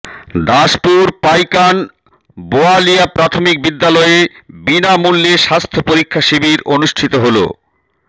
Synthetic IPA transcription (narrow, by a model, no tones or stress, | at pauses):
d̪aʃpuɾpajkan | boaliapɾat̪ʰomik̚bid̪ːalɔebinamulːeʃast̪ʰopoɾikʰːaʃibiɾonuʃʈʰit̪oɦolo̰